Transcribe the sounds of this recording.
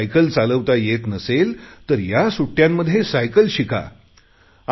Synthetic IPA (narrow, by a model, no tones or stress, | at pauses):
jkəlt͡saləʋt̪ajet̪nəselt̪əɾjasuʈːjãmːəd̪ʱjesajkəlɕika̰